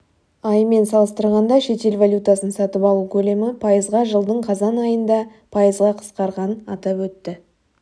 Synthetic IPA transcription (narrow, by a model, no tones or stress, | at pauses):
ɑjme̞nsɑlˠəst̪əɾʁɑnd̪ɑʃe̞t̪e̞lvalʲjut̪asənsɑt̪əpɑlˠukʲʰɵle̞mɪpʰɑjəzʁɑʒəlˠd̪əɴqʰɑzɑnɑjənd̪ɑ | pʰɑjəzʁɑqʰə̥sqɑɾʁɑnɑt̪ɑpwɵt̪ːɪ